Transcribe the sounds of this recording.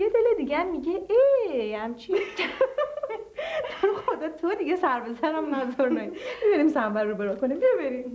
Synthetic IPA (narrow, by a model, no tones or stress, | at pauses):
jed̪eled̪iɡɛæmːiɟeʔehæmt͡ʃʰiscæ | d̪̥ʰæɾxod̪ɒːt̪ʰod̪iɡesæɾbe̞zæɾæmnæd̪ɔɾnobebinimsæmbæɾːubeɾɒkonimbijbeɾim